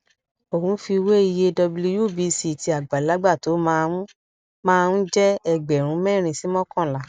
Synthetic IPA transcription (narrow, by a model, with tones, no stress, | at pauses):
o˦˨hũ˨˦fi˧we˦i˧je˧dɔ˧blu˧˦ju˦˨bi˨˧˦si˨˦˨ti˧˦a˨ɡ͡ba˨la˨˦ɡ͡ba˦˨to˨˦mãː˧ɾũ˦ | mãː˦˧ɾ̃ũ˦d͡ʒɛ˦ɛ˧ɡ͡bɛ˨ɾ̃ũ˨˦mɛ̃˦˨ɾ̃ĩ˧si˨˦mɔ̃˦kɔ̃˦˨la˨˦˨